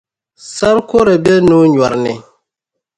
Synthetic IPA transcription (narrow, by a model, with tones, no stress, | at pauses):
sa˦ɾko˦ɾa˨bɛ˦nu˦ɲ˨a˨ɾnɪ˨